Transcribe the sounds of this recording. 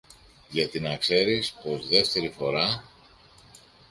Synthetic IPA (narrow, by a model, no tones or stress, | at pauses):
ʝɐt̪inɐkse̞ɾispo̞zðe̞ft̪e̞ɾifo̞ɾɐ